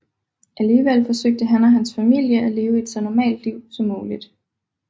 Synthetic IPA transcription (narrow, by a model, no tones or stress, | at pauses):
ʔæliːʋel̰fɒ̽søɡ̥̚d̥əɦænæɦænsfæmil̰jəʔæle̝ːʊəe̝d̥sɒnɒmɛ̰ːld̥liʊ̰sɒ̽mːuːlid̥